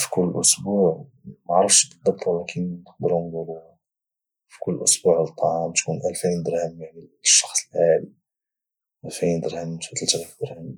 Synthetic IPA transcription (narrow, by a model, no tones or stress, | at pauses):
fi̥kʊlːəʔʊsbuʕ | maʕɾˤəfʃbəd̪ˤːɑb̚t̪ˤwlækʰənnəxd̪əɾhʊmd̪uɾu | fi̥kʊlːəʔʊsbuʕt̪ˤːɑʕɑmt̪kunʔælfijnd̪əɾhəmːæʕnilʃːɑ̥xsˤəlʕali | ʔælfijnd̪əɾhəmt̪fæt̪əlt̪ɾfd̪əɾhəm